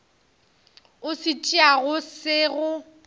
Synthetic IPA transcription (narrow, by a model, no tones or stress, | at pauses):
ʊsɪt͡ʃʼiaɣʊsɪɣʊ